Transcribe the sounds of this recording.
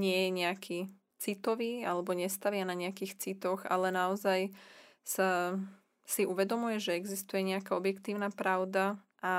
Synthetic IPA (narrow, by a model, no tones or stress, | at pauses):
ɲɪɛjɛɲɛakʰiː | t͡sit̪ɔʋiːalɛbɔɲɛst̪aʋɪanaɲɛakiːxt͡sit̪ɔɣa̰lɛnaɔzajsa | siuʋɛd̪ɔmujɛʒɛɛɡzist̪ujɛɲɛakaɔbjɛkt̪iːʊnaːpɾaʊd̪a | ʔa